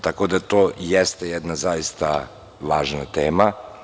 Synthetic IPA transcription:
t̪akod̪at̪oːjɛst̪ejɛd̪nazajist̪a | ʋaːʒnat̪eːma

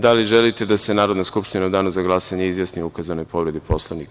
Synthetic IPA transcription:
d̪aliʒelit̪ed̪ase̞naːɾod̪naskupʃt̪inaud̪aːnuzaɡlˠasaɲeizʋjasnioukazano̞jpo̞ʋɾe̞d̪ipo̞slˠaʋnik

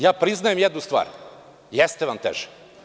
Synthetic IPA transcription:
jaːpɾiznajemjed̪nust̪vʋa̰ːɾ | jɛst̪eʋamt̪ḛʒɛ̥

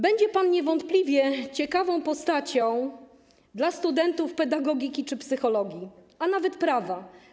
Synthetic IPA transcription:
bɛɲd͡ʑɛpanɲɛvɔnt̪plʲivʲjɛt͡ɕɛkavɔ̃w̃pɔst̪at͡ɕɔ̃w̃ | d̪last̪ud̪ɛnt̪ufpɛd̪aɡɔɡʲikʲit͡ʂɘpsɘxɔlɔɡʲi | anavɛt̪pɾava

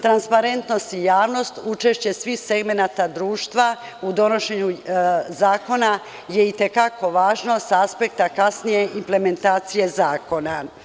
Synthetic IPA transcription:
t̪ɾanspaɾe̞nt̪no̞st̪ijaːʋno̞st̪ut͡ʃe̞ʃt͡ɕe̞sʋixse̞ɡme̞nat̪ad̪ɾuːʃt̪ʋa | ud̪o̞no̞ʃe̞ɲuzaːko̞na | je̞it̪e̞kako̞ʋaːʒno̞saaspe̞k̚t̪akasnije̞ʔimple̞me̞nt̪aːt̪sije̞zaːko̞na

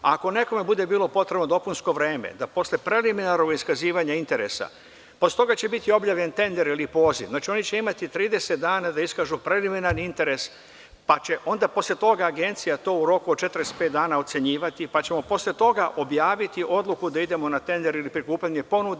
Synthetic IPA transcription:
ako̞ne̞ko̞me̞bud̪e̞biːlo̞po̞t̪ɾe̞bno̞d̪o̞punsko̞ʋɾeːmḛd̪apo̞slʲe̞pɾe̞liminaɾnoɡoiskaziːʋaɲaint̪e̞ɾḛsa̰ | poslʲet̪o̞ɡat͡ɕe̞bit̪io̞bʎaːʋʎe̞nt̪e̞nd̪e̞ɾilipo̞ːziʋznaːt͡ʃio̞nit͡ɕe̞imat̪it̪ɾiːd̪e̞set̪̚d̪aːnad̪aiskaːʒupɾe̞liminaɾnint̪e̞ɾe̞s | pat͡ɕe̞ʔo̞nd̪apo̞slʲe̞t̪o̞ɡaːɡe̞nt̪sijat̪o̞ːuɾo̞kuod̪̚t͡ʃe̞t̪ɾespet̪d̪aːnaot̪se̞ɲiːʋat̪ipat͡ɕemo̞po̞slʲet̪o̞ɡaʔo̞bjaːʋit̪iʔo̞d̪lukud̪aid̪e̞mo̞nat̪e̞nd̪e̞ɾilipɾikuːpʎaɲe̞po̞nud̪

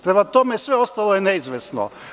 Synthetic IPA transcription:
t̪ɾɛmat̪omɛsʋɛost̪alˠojɛnɛizʋɛsno̰

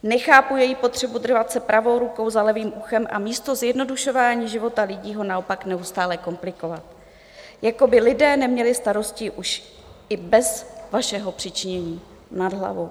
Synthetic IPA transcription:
nɛxaːpujɛjipo̞t̪r̝̥ɛbud̪r̩vat̪sɛpɾʔavo̞wɾuko̞wzalɛviːmʔuxɛmʔa̰miːst̪o̞zjɛdno̞duʃo̞vaːɲiːʒɪvo̞t̪alɪɟiːɦo̞nao̞paknɛust̪aːlɛko̞mplɪko̞vat̪̚ | jako̞bɪlɪdɛːnɛmɲɛlɪst̪aɾo̞scɪʔuʃ | ʔɪbɛzvaʃɛɦo̞pr̝̥ɪt͡ʃɪɲɛɲiː | nadɦla̰vow

